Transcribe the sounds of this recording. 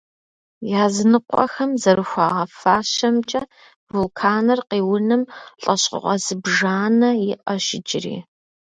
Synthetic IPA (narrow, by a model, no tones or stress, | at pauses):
jaːzɨnɨqʷʼɔ̰xɐmzɐɾɨxʷɑːʁɐfaːɕɐmt͡ʃʼɐ | bʊlkʰaːnɐrqiːwʊnɨmɬʼɐɕqʊ̰ʁʷɐzɨbʒaːnɐjɪʔɐʃɪd͡ʒʼɪrḭː